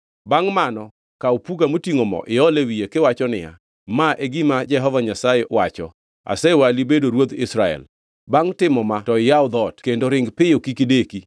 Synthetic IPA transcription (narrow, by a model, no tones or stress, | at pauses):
baŋmanɔ | kaopuɡamotiŋomɔ̰ʔɪɔlewijekɪwat͡ʃɔnɪja̰ | maʔeɡimad͡ʒɛɦɔvaɲasaewat͡ʃɔ | a̰sɛwalibedoɾwot̪ɪsɾaɛ̰l | baŋtɪmɔmatɔɪjaʊd̪ɔtkendoɾɪŋɡpɪjokikideki